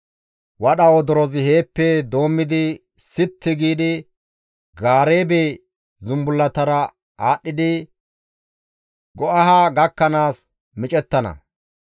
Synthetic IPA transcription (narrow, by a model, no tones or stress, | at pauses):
wɐɗɐwɔd̪ɔɾɔzɪhe̞ːpːɛd̪o̞ːmːɪd̪ɪ | sɪt̪ːɪɡiːd̪ɪ | ɡaːɾe̞ːbe | zʊmbʊlːɐt̪ɐɾɐ | aːɗːɪd̪ɪ | ɡɔʔɐɦaːɡɐkːɐnaːs | mɪt͡ʃʼɛt̪ːɐnɐ̰